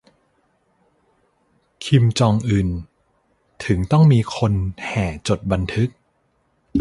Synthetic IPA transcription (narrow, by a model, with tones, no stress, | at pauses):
kʰi˧mt͡ɕɔː˧ŋʔɯː˨˩n | t̪ʰɯ˩˦ŋt̪ɔ˥˩ŋmiː˧kʰo˧nhɛː˨˩t͡ɕo˨˩t̪̚ba˧nt̪ʰɯ˦˥k̚